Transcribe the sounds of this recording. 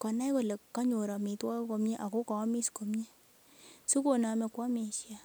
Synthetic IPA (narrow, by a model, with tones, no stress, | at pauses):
kɔ˨na˦jko˨le˨kːa˦ɲo˨ɾa˨mi˨twa˦ko˧mɲe˦ʔa˨ko˦kɔ˨˦mi˦sko˨mɲe˦ | su˦ko˨na˨me˨kwa˦me˨ʃja˦